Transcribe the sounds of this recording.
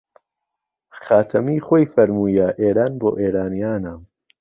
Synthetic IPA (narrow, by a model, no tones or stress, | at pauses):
χaːt̪ʰɐmiːχoːjfɐɾmuːjɐʔeːɾaːnboːʔeːɾaːnijaːnam